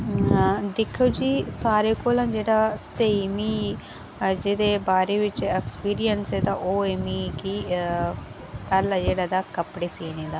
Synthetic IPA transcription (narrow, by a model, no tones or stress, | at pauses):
d̪ɪkʰːeːd͡ʒiːsaːɾeːkoːlãːd͡ʒeːɽaːseːmiː | d͡ʒeːd̪eːbaːɾeːʋɪt͡ʃekspiːɾijənseːd̪aːʔoːeːmiːkiː | pɛːlad͡ʒeːɽaːd̪aːkəpɽeːseːneːd̪aː